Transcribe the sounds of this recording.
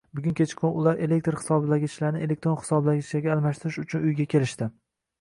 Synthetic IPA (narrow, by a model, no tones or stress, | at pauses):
bʊɡʲʊŋkʲʰet͡ʃkʰonʊlˠaɾe̞le̞k̚ʲt̪ɾχɪ̥sɒbɪlaɡʲɪt͡ʃlaɾnɪe̞le̞k̚ʲt̪ɾonχɪ̥sɒblaɡʲɪt͡ʃaɡʲaːlˠmaʃt̪ɪɾɪʃʊt͡ʃʰʊnʊjɡʲakʲʰe̞lɪʃt̪ɪ